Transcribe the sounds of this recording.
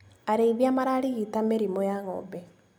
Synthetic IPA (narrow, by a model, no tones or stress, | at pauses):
aɾeiβjamaɾaɾiɣitameɾimɔjaŋɔ̰bɛ